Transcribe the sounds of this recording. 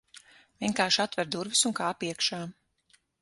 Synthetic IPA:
vʲiɛŋkaːɾʃat̪vɛɾd̪uɾvisunkaːpiɛkʃaː

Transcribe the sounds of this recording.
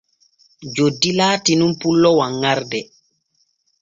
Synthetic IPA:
d͡ʒodːilaːtinumpulːɔwaŋːaɾdɛ

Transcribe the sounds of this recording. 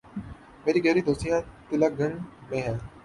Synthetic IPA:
meːɾiːɡəɦɾiːd̪oːst̪ijãːt̪ɪlaːɡəɳmẽːɦɛː

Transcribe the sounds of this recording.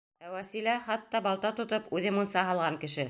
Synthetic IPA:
æwæsilæχɑt̪ːɑbɑlˠt̪ɑt̪ŏt̪ɤpʉðɘmunsɑɦɑlˠʁɑŋkɘ̆ʃɘ

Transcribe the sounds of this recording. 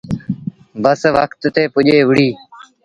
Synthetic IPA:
bəsʋəkt̪ːeːpʊʄeːʋɪɽ̤iː

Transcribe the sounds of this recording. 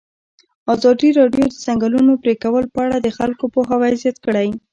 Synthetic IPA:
ɑzɑd̪iɾɑɖjod̪əzaŋɡalunopɾekawəlpəaɽad̪əxalkopoxawajzjat̪kəɽaj

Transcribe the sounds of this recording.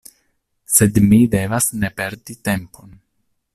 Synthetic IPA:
se̞dmide̞vasne̞pe̞ɾdite̞mpʰo̞n

